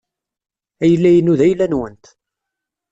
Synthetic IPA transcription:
æjəlːæjənuðæjlːænwənt̪

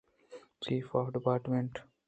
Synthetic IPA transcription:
t͡ʃiːfɔːfɖɪpaːɾʈmẽɳʈ

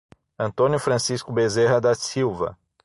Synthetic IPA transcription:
ɐ̃nt̪õnjʊfɾɐ̃siskʊbezeɦɐd̪ɐsiwvɐ̰

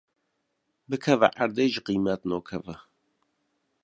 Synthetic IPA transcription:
bɨkʰɛvɛ̰ʔaɾd̪eːʒɨqimɛt̪noːkʰɛvɛ

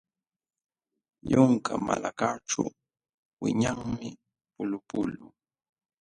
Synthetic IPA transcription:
jʊŋkamalakaʈ͡ʂa̰ | wɪɲaŋmɪ | pʊlʊpʊlʊ

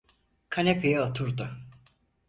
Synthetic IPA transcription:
kʰanepʰejɛot̪ʰuɾd̪ʊ

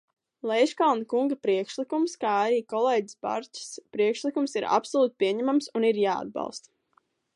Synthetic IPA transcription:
lˠɛjʃkalˠnkuŋɡapɾiɛkʃlikumskaːaɾiːkɔlˠeːɟisba̰ɾt͡ʃi̥spɾiɛkʃlikumsiɾa̰psɔlˠuːt̪̚pʲiɛɲæmamsuniɾjaːa̰d̪̚bɑ̰lˠst̪

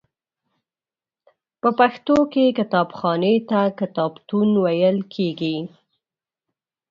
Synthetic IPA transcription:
pəpaxt̪okekɪt̪ɑbxɑnet̪akɪt̪ɑbt̪unwajəlkʰeɡi

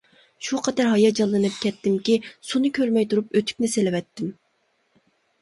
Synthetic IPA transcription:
ʃuqʰɑt̪ɑɾɦɑjɑd͡ʒɑlˠːɨnɨp̚kʲɛt̪ːɪmkʲisunɨkʲʰøɾmɛjt̪ʰuɾupøt̪ʰy̥kʲnɪselɪwɛt̪ːɪm

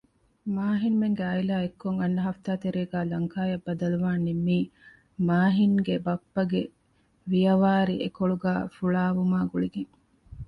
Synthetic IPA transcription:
maːɦinmeŋɡeɐjlaːekːoŋɐnːɐɦɐft̪aːt̪eɾeːɡæːlɐŋkaːjɐbːɐd̪ɐluʋaːnimːiː | maːɦiŋɡebɐpːɐɡe | ʋijɐʋaːɾiʔekoɭuɡæːfuɭaːʋumaːɡuɭiɡeŋ

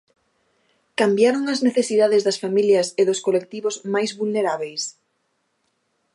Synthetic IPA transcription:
kambjaɾoŋɐzneθesiðaðɪzðɐsfamiljɐsɪðʊskolek̚t̪iβozmajzβulneɾaβejs

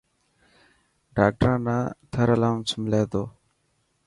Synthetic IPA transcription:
ɖaːk̚ʈəɾãːnaːt̪ʰəɾəlaːmsmɪleːd̪oː

